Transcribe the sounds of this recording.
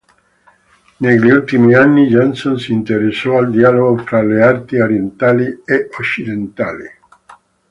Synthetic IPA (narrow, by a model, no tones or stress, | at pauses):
neʎiult̪imianːid͡ʒɔnsonsiːnt̪eɾesɔald̪ialoɣot̪ɾaleart̪ioɾjent̪alieot͡ʃid̪ent̪alḭ